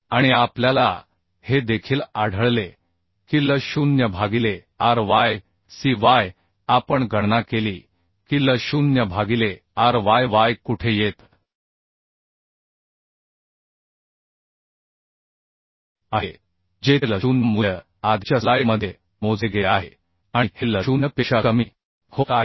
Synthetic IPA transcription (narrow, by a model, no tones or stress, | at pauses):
aɽ̃iapljala̰ | hed̪ekʰiːlaɽ̤ʱəɭle | kiːləɕunjəbʱaɡile | aɾʋaj | siʋaj | apəɳɡʱəɽnakeliː | kiːləɕunjəbʱaɡile | aɾʋajʋajkuʈʰejet̪ | aɦe | d͡ʑeləɕunəmujə | ad̪ʱɕalajməd̪ʱːje | mod͡zʱeɡeaɦe | ãitiləɕunjəpeɕakəmiː | hoka